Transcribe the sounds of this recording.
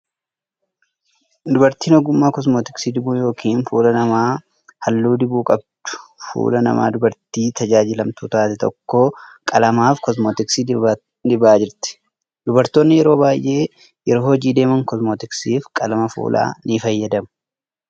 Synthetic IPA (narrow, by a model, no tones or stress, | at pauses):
d̪ʊbɐɾt̪iːnɔɡʊmːaːkɔs̬moːt̪ɪksiːd̪ɪbuːjo̞ːkʰiːnfuːlɐnɐmaː | hɐlːuːd̪ɪbuːkʼɐb̚d̪̥ʊ̥fṵːlɐnɐ̰ma̰ːd̪ʊbɐɾt̪iːt̪ʰɐd͡ʒaːd͡ʒɪlɐmt̪uːt̪aːt̪ɛt̪ʰɔ̰kːoːkʼɐlɐmaːfkɔsmoːt̪ɪksi | d̪ɪbaːd͡ʒɪɾt̪ɪ̥ | d̪ʊbɐɾt̪oːnːɪjɛɾo̞ːbaːjʔe̞ː | jɛɾoːhɔd͡ʒiːd̪e̞ːmɐŋkɔsmoːt̪ɪksiːfkʼɐlɐmɐfṵːlʔa̰ːnɪfɐjːɐd̪ɐmʊ̥